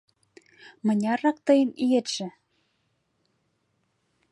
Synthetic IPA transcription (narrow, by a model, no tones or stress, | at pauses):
mɤ̆nʲɑrːɑk̚t̪ɤjənijet̪ʃĕ